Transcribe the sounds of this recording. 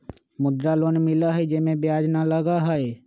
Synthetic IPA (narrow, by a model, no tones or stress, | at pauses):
mʊd̪ɾaloːnmɪlaɦɛd͡ʒɪmẽbjaːd͡ʒnaləɡaɦɛe